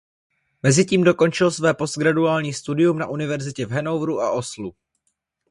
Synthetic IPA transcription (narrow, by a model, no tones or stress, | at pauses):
mɛzɪciːmdo̞ko̞nt͡ʃɪlsvɛːpo̞st̪̚ɡɾaduaːlɲiːst̪udɪjumnaʔunɪvɛɾzɪcɛvɦɛno̞wvɾuʔa̰ʔo̞slu